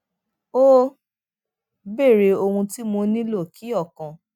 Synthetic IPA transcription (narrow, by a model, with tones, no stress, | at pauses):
o˦ | be˦˨ɾe˨˧o˧hũ˧ti˦mo˧nĩ˦lo˦˨kʰi˨˦ɔ˦˨kã˨